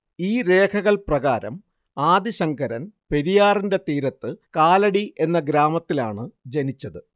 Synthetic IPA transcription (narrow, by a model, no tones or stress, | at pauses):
iːɾe̞ːkʰɐɣɐɭprɐɣaːɾɐ̰m | aːd̪iɕɐŋɡʰɐɾɐnpe̞ɾijaːrinde̞t̪iːɾɐt̪ːɨkaːlɐɽiʔe̞nːɐɡɾaːmɐt̪ːila̰ːɳɨd͡ʑenit͡ɕːɐðɨ